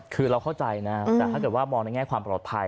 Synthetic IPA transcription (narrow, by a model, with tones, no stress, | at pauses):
kʰɯː˧ɾa˧wkʰa˥˩wt͡ɕa˧jna˦˥t̪ɛː˨˩t̪a˥˩kɤː˨˩t̪̚waː˥˩mɔː˧na˥jŋɛː˥˩kʰwaː˧mpɾɔ˨˩t̪ʰːa˧j